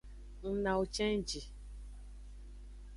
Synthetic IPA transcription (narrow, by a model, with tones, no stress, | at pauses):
n̩˦na˨u˨t͡ʃɛ˦n˦d͡ʒi˨